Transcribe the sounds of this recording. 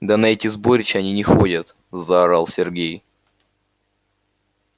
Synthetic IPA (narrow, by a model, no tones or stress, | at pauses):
d̪ɐnɐɛtʲɪzbo̞ɾʲɪt͡ɕɪɐnʲinʲɪxodʲət̪ | zaɾəlˠsʲɪrɡʲej